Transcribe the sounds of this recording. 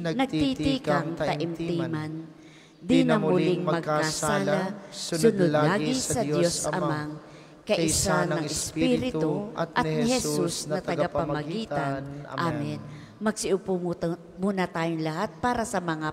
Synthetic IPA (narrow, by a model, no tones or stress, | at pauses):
nɐɡ̚t̪it̪ikaŋtt̪ɐʔɪmt̪iːman | d̪ɪnɐmmʊlɪŋmmɐɡkːasaːlasʊnod̪laːɡɪsɐd̪josʔɐmmaŋ | kɐʔʔɪsanɐŋɪspiɾɪt̪otʔɐnɪhɛsusnɐt̪ɐɡapɐmmɐɡiːt̪anʔamɪn | mɐɡ̥̚sɪʔʊpu | muːnɐt̪aːjoŋlɐhat̪̚paːɾɐsɐmɐŋa